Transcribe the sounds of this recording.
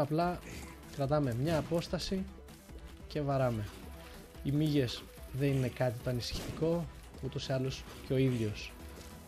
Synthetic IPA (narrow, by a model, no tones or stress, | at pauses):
ɐplɐ | kɾɐt̪ɐme̞mɲɐːpo̞st̪ɐsi | ce̞vɐɾɐme̞ | imiʝe̞s | ðe̞nine̞kɐt̪it̪o̞ɐnisi̥çi̥t̪iko̞ | ut̪o̞siɐlo̞s | ceo̞iðʝo̞s